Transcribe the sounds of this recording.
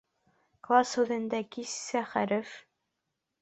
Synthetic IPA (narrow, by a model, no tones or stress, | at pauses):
klˠɑsʉðɘ̆nd̪ækisːæχæɾɘ̆f